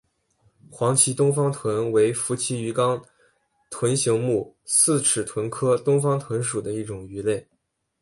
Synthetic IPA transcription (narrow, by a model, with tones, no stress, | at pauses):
xwɑ˧˥ŋt͡ɕʰi˧˥t̪ʊ˥ŋfɑ˥ŋt̪ʰwə˧˥nwe˧˥ɪfu˧˥t͡ɕʰi˧˥y˧˥kɑ˥ŋ | t̪ʰwə˧˥nɕi˧˥ŋmu˥˩sɹ̩˥˩ʈ͡ʂʰɻ̩˨˩t̪ʰwə˧˥nkʰɤ˥t̪ʊ˥ŋfɑ˥ŋt̪ʰwə˧˥nʂu˨˩d̪ə˦i˥˩ʈ͡ʂʊ˨˩ŋy˧˥le˥˩ɪ